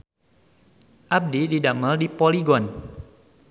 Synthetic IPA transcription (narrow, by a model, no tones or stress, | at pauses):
ʔab̚dididaməldipoliɡɔn